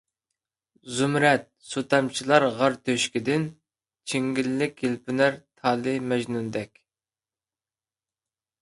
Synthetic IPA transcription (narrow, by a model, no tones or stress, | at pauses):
zumɾɛt̪̚sut̪ɑmt͡ʃʰilˠɑɾʁɑɾt̪ʰøʃkʲid̪ɪn | t͡ʃʰiŋɡʲilːɪkʲjilpʰɪnæɾt̪ʰɑlˠɨmɛʒnund̪ɛkʲ